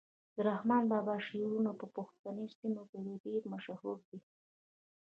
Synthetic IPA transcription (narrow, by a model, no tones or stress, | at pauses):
d̪əɾahmɑnbɑbɑʃeɾunapəpuxt̪anesimoked̪eɖeɾmaʃahuɾd̪i